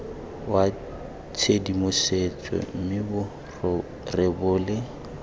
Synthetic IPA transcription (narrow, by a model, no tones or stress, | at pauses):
wa | t͡sʰedimʊset͡sʼwɛ̰m̩mɪbʊ | rɪbʊːlɪ